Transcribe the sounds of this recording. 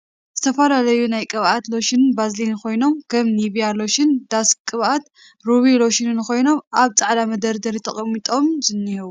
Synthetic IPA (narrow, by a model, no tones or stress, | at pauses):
z̥ɨt̪ʰɐfɐlalɐjunajkʼɨβat̪lo̞ʃinbazlinkʰo̞jno̞mkʰɐmniβijalo̞ʃɪnd̪̥askʼɨβat̪ | ɾuβilo̞ʃinɨnko̞jno̞mʔaβt͡sʼaʕd̪amɐd̪ɐɾd̪ɐɾit̪ʰɐχʼɐmːit̪ʼo̞mzɨnːihɨβ